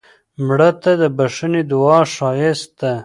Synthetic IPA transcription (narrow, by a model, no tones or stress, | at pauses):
mɽət̪ad̪əbaʂəned̪ʊɑʃɑjɪst̪̚d̪a